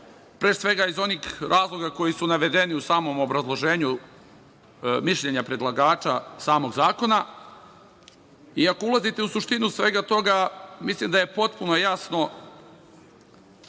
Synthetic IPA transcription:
pɾe̞ːsʋe̞ɡaizo̞niːxɾʔaːzlˠo̞ɡako̞jisunaʋe̞d̪e̞niusaːmo̞mo̞bɾazlˠo̞ʒe̞ːɲu | miʃʎe̞ɲapɾe̞d̪lˠaɡaːt͡ʃasaːmo̞ɡzaːko̞na | iako̞ulˠazit̪e̞usuʃt̪inusʋe̞ːɡat̪o̞ɡamislˠimd̪aje̞po̞t̪̚puno̞jasno̞

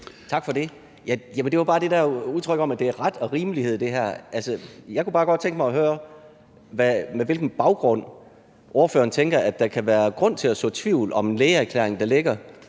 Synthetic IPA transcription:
t͡sʰɑ̈ɡ̥fɒ̽d̥e̝ | jæjæmənd̥e̝ʋɑbɑ̈ːd̥e̝dæuðˠt͡sʰʁœɡ̥ɒ̽mæd̥e̝æɐʁɑd̥ɒ̽ʁiːməlihe̝ð̞̰ˠd̥e̝ɦæɐ̰ʔælsəjɑ̈ɪkub̥ɑːɡ̥ɒ̽d̥̚t͡sʰeŋɡ̥əmɑ̈ɪɒ̽ɦøːɐ | ʋæmeʋe̝lɡ̥n̩b̥ɑ̈ʊɡ̥ʁɔ̽n̰ | ʔɔɐføːɐn̩t͡sʰeŋɡ̥ɐʔæd̥ːɑ̈kʰæʋæːɐɡ̥ʁɔ̽n̰t͡sʰe̝læsd̥ɔ̰̽ːt͡sʰʋiʊ̰lɒ̽menleːɪæɐkʰlḛɐeŋd̥ɑ̈le̝ɡ̥ɐ

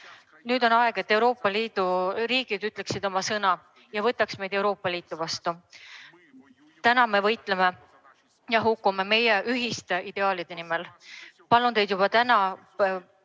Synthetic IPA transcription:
nyːd̪o̞nɑeɡ̥e̞t̪ːe̞wɾo̞ːpːˑɑliːd̪̥uɾiːɡ̥id̪yt̪ːˑle̞ksid̪o̞mɑsɤnɑ | jɑvɤt̪ːˑɑksme̞jd̪̥ewɾo̞ːpːˑɑliːt̪ːˑuvɑst̪u | t̪ænɑme̞vɤjt̪ˑleme̞ | jɑɦukˑːume̞me̞jeʔyɦist̪e̞ʔid̪̥e̞ɑːlid̪̥e̞nimel | pɑlund̪e̞jd̪jub̥ɑt̪ænɑ

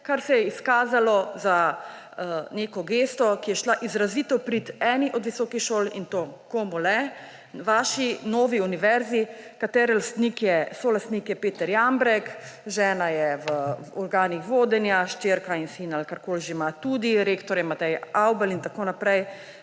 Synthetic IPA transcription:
kaɾsɛjɛiskaːzalɔza | nekɔɡeːst̪ɔkijɛʃlaʔizɾaziːt̪ɔwpɾit̪ɛːniʔɔd̪ʋisɔːkixʃoːlint̪oːkomulɛ | ʋaːʃinɔːʋiuniʋɛɾzikat̪ɛːɾɛlast̪nikjɛsɔlast̪nikjɛpeːt̪ɛɾjambɾɛkʒɛːnajɛʋəɔɾɡaːnixʋoːd̪ɛnjaʃt͡ʃeːɾkainsinalkaɾkoːliʒeimat̪ud̪iɾeːkt̪ɔɾjɛmat̪ɛjawbəlint̪akonapɾɛj

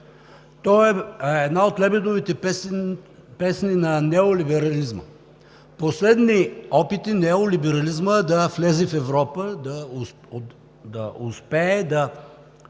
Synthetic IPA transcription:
t̪ɔɛɛd̪naot̪lɛbɛd̪ovit̪ɛ | pɛsninɐnɛolibɛɾɐlizmə̰ | poslɛd̪niɔpit̪inɛolibɛɾɐlizməd̪ɐflɛzɛfɛvɾɔpəd̪ɐ | d̪ɐʊspɛːd̪ɐ

